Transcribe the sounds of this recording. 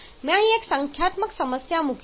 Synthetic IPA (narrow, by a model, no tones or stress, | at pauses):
mjãɦĩeksəŋkʰjat̪məksəməsjamuk